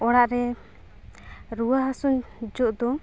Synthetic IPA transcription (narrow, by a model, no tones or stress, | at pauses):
ɔɽaʔɾɛ | ɾuwaɦasuɲd͡ʒɔʔd̪ɔ